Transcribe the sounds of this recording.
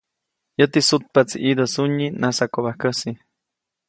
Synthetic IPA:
jət̪isut̪̚pat͡sḭʔid̪osuɲinasakoβahkəsi

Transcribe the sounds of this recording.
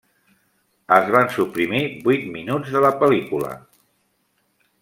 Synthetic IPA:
əzβansupɾimibujt̪̚minud͡zðələpəlikulə̰

